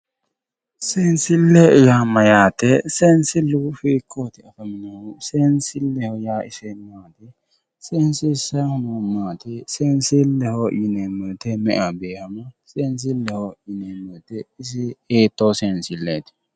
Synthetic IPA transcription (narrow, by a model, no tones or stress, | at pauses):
seːnsɪlːɛɪjaːmːɐjaːt̪ɛseːnsɪlːʊfiːkʰːoːt̪ɪɐfɐmɪnɐhʊseːnsɪlːɛhɔjaːɪ̰sɛmːaːt̪ɛ | seːnsɪsɐhʊnomːaːt̪ɛsɛːnsɪlːɛhojɪnɛmɛt̪ɛmɛʔɐbeːhɐmɐseːns̬ɪlːɛhɔjɪneːmɛt̪ɛɪs̬ɪeːt̪ːoːseːnsɪlːet̪ɪ̥